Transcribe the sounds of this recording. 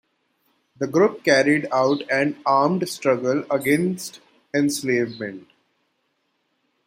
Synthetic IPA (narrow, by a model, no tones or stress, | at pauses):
d̪əɡɾʊp̚kæɾiɖaʊʈɛ̃naːɾmɖsʈɾʌɡələɡẽnsʈ | ɛ̃nsleːʋmɛ̃ɳʈ